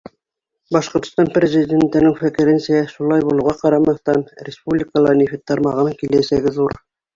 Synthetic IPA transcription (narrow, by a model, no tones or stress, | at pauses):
bɑʃqŏɾt̪ŏ̥st̪ɑnprʲezʲidʲent̪ɘ̆nɘŋfækɘ̆ɾɘnsæʃulˠɑjbulˠɤ̆wʁɑqɑɾɑmɑθt̪ɑnɾʲɪspublʲɪkəlˠɑɾnʲifʲit̪ːɑɾmɑʁɤmkilæsæɡɘðuɾ